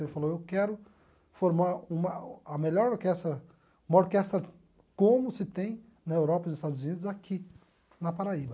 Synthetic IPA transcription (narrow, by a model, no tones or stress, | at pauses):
elɪfalowewkɛɾʊ | foɾmaɾũmɐɐmeʎɔɾoɾkɛst̪ɾɐ | ũmɐoɾkɛst̪ɾɐ | kõmʊsɪt̪ẽj̃ | nɐewɾɔpɐzɪst̪ad̪ʊzunid̪ʊzakʰi | nɐpaɾaibɐ